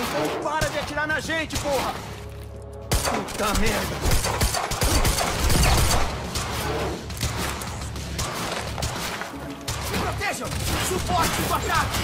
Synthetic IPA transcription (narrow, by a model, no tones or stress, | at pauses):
ĩt̪ɐ̃w̃paɾɐd͡ʒɪat͡ʃiɾaɾnɐʒẽnt͡ʃɪpoɦɐ | ut̪ɐ̃med̪ɐ | pɾot̪eʒɐ̃supɔɾt͡ʃɪɡwat̪a